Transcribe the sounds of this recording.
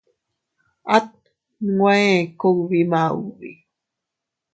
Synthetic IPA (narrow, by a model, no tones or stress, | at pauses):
at̪̚ | ŋwekowβima̰βi